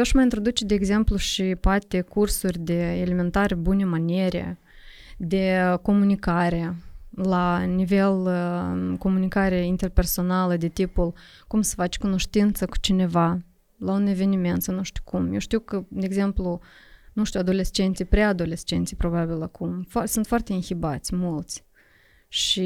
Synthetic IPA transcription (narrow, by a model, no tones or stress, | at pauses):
aʃmajint̪ɾo̞d̪ut͡ʃed̪eːɡze̞mpluʃipoat̪e̞kursurʲd̪e̞eleme̞nt̪aɾebune̞manʲeɾʲḛ | d̪e̞ko̞munikaɾe̞lanive̞l | ko̞munikaɾe̞int̪e̞rpe̞rso̞naləd̪e̞t̪ipul | kumsə̥fat͡ʃʲkuno̞ʃt̪int̪səku̥t͡ʃine̞va | laune̞ve̞nime̞nt̪sənuʃt̪u̥wkumjewʃt̪iwkəd̪eːɡze̞mplu | nuʃt̪ʲuad̪o̞le̞st͡ʃe̞nt̪sijpɾead̪o̞le̞st͡ʃe̞nt̪sijpɾo̞babilakʰumfsunt̪foart̪eɨnxibat̪sʲmult̪sʲ | ʃi